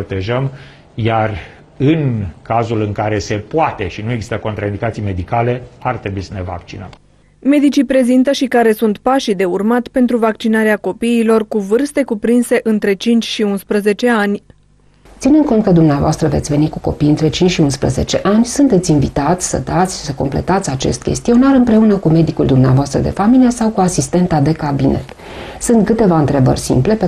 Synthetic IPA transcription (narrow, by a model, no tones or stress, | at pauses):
ot̪e̞ʒəm | jar | ɨnkazulɨŋkaɾe̞se̞poat̪e̞ʃinujeɡzi̥st̪əko̞nt̪ɾaind̪ikat̪sijme̞d̪ikale̞art̪ɾebuisəne̞va̰k̚t͡ʃinəm | me̞d̪it͡ʃipɾe̞zint̪əʃikaɾe̞sunt̪paʃid̪e̞urmat̪ʲpe̞nt̪ɾuvakt͡ʃinaɾeako̞piːlo̞rkuvɨrst̪e̞kupɾinse̞ʔɨnt̪ɾe̞t͡ʃint͡ʃʲʃiunspɾəze̞t͡ʃe̞anʲ | t̪sinɨnd̪̚ko̞nt̪̚kəd̪umneavoast̪ɾəve̞t̪sʲve̞nikuko̞̰pijɨnt̪ɾe̞t͡ʃint͡ʃʲʃiunspɾə̰ze̞̰t͡ʃe̞ʔanʲsunt̪et̪sʲinvit̪at̪sʲsə̰d̪at̪sʲʃi̥səko̞mple̞̰t̪at̪sʲat͡ʃe̞̰st̪kʲe̞̰st̪io̞naɾɨmpɾe̞unəkume̞d̪ikuld̪umneavoast̪ɾə̰d̪ḛfamilije̞sawkuasist̪e̞nt̪ad̪e̞kabine̞̰t̪ | sunt̪̚kɨt̪e̞vaɨnt̪ɾe̞bə̰rʲsḭmple̞pe